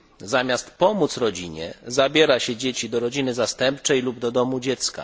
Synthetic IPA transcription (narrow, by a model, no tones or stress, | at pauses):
zamʲjast̪pɔmut̪sɾɔd͡ʑiɲɛ̰zabʲjɛɾaɕɛd͡ʑet͡ɕid̪ɔɾɔd͡ʑinɘzast̪ɛmpt͡ʂɛjlubd̪ɔd̪ɔmud͡ʑɛt̪ska̰